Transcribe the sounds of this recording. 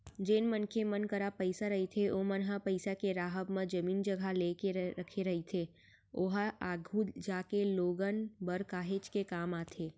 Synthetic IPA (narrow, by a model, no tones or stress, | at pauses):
d͡ʒeːnmənkʰemənkəɾapəɪsaɾɐɦit̪ʰeʔoːmənɦapəɪsakeɾaːɦəbmẽd͡ʒəmiːnd͡ʒəɡʱaleːkeɾəkʰeɾɐɦit̪ʰe | oɦaaːɡʱud͡ʒaːkeloːɡənbəɾkaːɦeːt͡ʃkekaːmaːt̪ʰeː